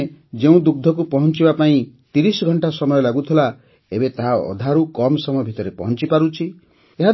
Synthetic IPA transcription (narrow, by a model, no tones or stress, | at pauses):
d͡ʒeũd̪uɡ̚d̪ʱɔk̬upɔɦɔnt͡ʃibapaĩ | t̪iɾisɔɡʱɔɳʈasɔmɔjɔlaɡut̪ʰila | ebet̪aɦaɔ̰d̪ʱaɾukɔmsɔmɔjɔbʱit̪ɔɾepɔɦɔnt͡ʃipaɾut͡ʃʰi | eɦa